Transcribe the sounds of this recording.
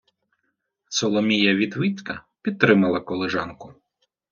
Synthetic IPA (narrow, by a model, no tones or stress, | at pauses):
sɔlˠɔmʲijɐʋʲid̪ʋit͡s̪ʲkɐpʲid̪̚t̪ɾɪmɐlˠɐkɔlˠɪʒɑnkʊ